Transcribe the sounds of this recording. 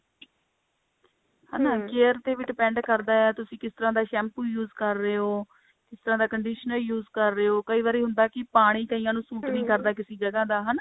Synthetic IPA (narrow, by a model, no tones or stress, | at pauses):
ha̰naːkeːɾt̪eːʋɪɖɪpɛ̃ːɳɖkəɾd̪aːɛːt̪ʊsĩːkɪst̪əɾãːd̪aːʃɛːmpuːjuːzkəɾːeːɦoː | kɪst̪əɾãːd̪aːkəɳɖiːʃənəljuːzkəɾːeːoːkəiːʋaːɾiːɦʊnd̪aːkɪpaːɽ̃iːkəiːãːnũːsuːʈnĩːkəɾd̪aːkɪsiːd͡ʒəɡãːd̪aːɦən